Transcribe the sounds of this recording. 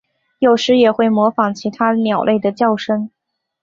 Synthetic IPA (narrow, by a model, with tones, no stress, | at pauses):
jo˨˩ʊʂɻ̩˧˥jɛ˨˩xwe˥˩ɪmwɔ˧˥fɑ˨˥ŋt͡ɕʰi˧˥t̪ʰa˥njɑ˨˩ʊlʔe˥˩ɪd̪ə˩t͡ɕjɑ˥˩ʊʂə˥ŋ